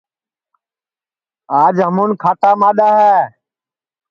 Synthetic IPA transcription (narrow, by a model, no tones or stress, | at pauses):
aːd͡ʒɦəmuːnkʰaːʈaːmaːɗ̪aːɦɛː